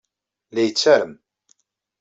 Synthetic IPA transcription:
læjət͡sːæɾəm

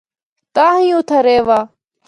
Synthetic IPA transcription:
t̪aːɦĩːʊːt̪ʰaːɾeːʋaː

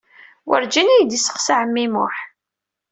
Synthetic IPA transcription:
wəɾd͡ʒinijd̪isə̥qsaʕəmːimʊħ

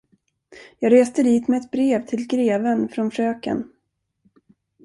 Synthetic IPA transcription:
jɑːɡɾeːst̪əd̪iːt̪mɛɛt̪̚bɾeːvt̪ʰɪlɡɾeːvənfɾɔnʂøːkə̰n

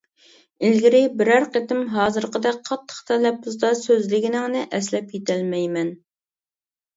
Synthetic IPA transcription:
ɪlɡʲiɾɪbɪɾæɾqet̪ɪmɦɑːzɨɾqəd̪ɛqʰɑt̪ʰːə̥χt̪ʰɛlɛp̚ːuzd̪ɑsøzlɪɡʲinɪŋnɨʔɛslɛpjet̪ʰɛlmɛjmɛn

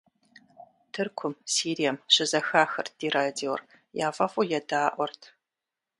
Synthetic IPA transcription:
tʰɨrkʷʰʊmsiːɾijɐmɕɪzɐxaːxɐ̰rd̥iːraːdiwr | jaːfɐfujɛdaːʔʷɔrtʰ

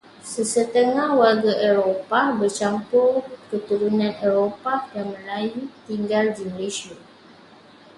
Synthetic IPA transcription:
səsət̪əŋahwarɡaʔeɾopabərt͡ʃampʊrkət̪uɾunãneɾopajaŋmə̃lajut̪iŋɡaldiməlesia

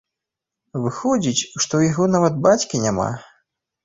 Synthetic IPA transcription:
vɨxɔd͡zʲit͡sʲʂt̪ɔjaɣɔnavɐd̪̚bat͡sʲkʲinʲama̰

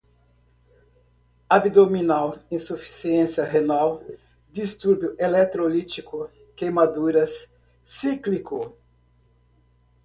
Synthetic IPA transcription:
abid̪ominawĩsufi̥siẽsjɐɦenaw | d̪ist̪uɾbjʊʔelɛt̪ɾolit͡ʃikʊ | kejmad̪uɾɐsː | iklikʊ

